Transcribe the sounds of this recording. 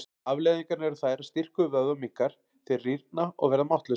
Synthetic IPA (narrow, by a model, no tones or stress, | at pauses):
avlɛːðiŋkaɾnɛɾʏθaːjɾast̪ir̥kʏvœðɔmikːaɾ̥ | θiriɾt̪naɔ̰ɣvɛɾðamawht̪lʏ